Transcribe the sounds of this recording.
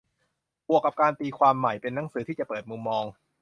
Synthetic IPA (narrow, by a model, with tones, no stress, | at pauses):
bu˨˩əkːa˨˩p̚kaː˧nt̪iː˧kʰwaː˧mːa˨˩jpe˧nːa˩˦ŋsɯː˩˦iː˥˩t͡ɕa˨˩pɤː˨˩t̪̚mu˧mːɔː˧ŋ